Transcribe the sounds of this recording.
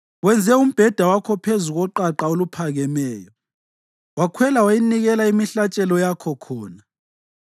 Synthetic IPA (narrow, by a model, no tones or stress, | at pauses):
wɛnd͡zʱɛum̩b̥ʱɛd̥ʱawakʰɔpʰezuɣɔǃaǃaolupʰaɣɛmɛːjɔ | wakʰwɛlawajiniɣɛlaimiɬat͡ʃʼɛlɔjakʰɔkʰɔːna